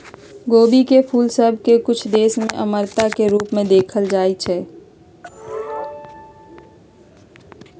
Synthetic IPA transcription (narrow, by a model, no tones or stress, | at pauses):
ɡoːbikepʰuːlsəbʱkekʊt͡ʃʰd̪eːsmẽʔəməɾt̪akeɾuːpmẽd̪eːkʰəld͡ʒaːit͡ʃʰɛː